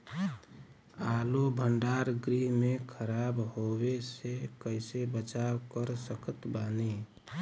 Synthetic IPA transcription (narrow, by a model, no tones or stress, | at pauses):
alobʱəɳɖaɾɡɾiɦmekʰəɾabɦobesekəɪsebət͡ʃakəɾsəkət̪bane